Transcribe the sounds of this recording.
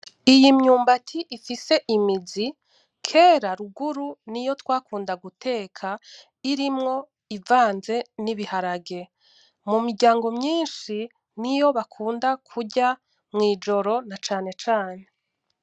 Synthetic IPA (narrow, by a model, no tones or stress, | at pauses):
ijimɲuːmbatʰiʔifise̞ʔimizi | kʰe̞ːɾaɾuɡuɾunijo̞twaːkuːndaɡutʰe̞ːkʰa | iɾimŋo̞ | ivaːnze̞niβihaɾaɡe̞ | mumiɾɟaːŋɡo̞mɲiːnʃi | nijo̞βakʰuːndakʰuɟa | mŋiːd͡ʒo̞ɾo̞nat͡ʃaːne̞t͡ʃaːne̞